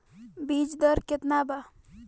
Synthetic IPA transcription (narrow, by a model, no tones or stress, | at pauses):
biːd͡ʒd̪əɾkɪt̪naba